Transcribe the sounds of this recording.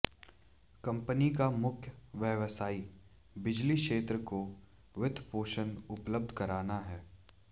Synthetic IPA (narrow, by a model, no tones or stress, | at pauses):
kɐ̃mpənikamʊkʰjəʋjəʋsaːi | bɪd͡ʒliʃeːt̪ɾəko | ʋɪd̪ʱpoːʃənʊpləb̚d̪ʱkɐɾaːnaɦɛː